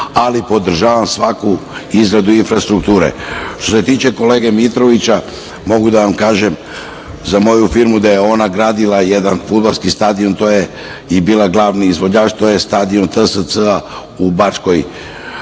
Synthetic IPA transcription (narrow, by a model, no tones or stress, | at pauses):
alipo̞d̪r̩ʒaːʋamsʋakuizɡɾad̪uinfɾast̪ɾukt̪uːɾḛʃt̪o̞se̞t̪iːt͡ʃe̞ko̞le̞ːɡe̞mit̪ɾo̞ʋit͡ɕa | mo̞ɡud̪aʋamkaːʒem | zamo̞jufiɾmud̪aje̞o̞naɡɾaːd̪ilˠajed̪anfud̪̚balˠskist̪aːd̪io̞nt̪o̞je | ibiːlˠaɡlˠaʋniːzʋo̞d͡ʑaːt͡ʃt̪o̞jest̪aːd̪io̞nt̪əsəsəa | ubat͡ʃkoj